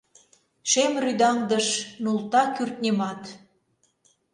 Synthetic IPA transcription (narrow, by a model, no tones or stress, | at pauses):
ʃemryd̪ɑŋd̪əʃnult̪ɑkyrt̪̚nʲemɑt̪